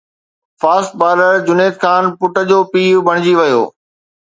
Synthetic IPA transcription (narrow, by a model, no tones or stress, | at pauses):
faːsʈ̪̚baːləɾd͡ʑʊneːt̪kʰaːnpʊʈəd͡ʑoːpiːʊbʱɐɽ̃ɪd͡ʑiʋɐjo̰ː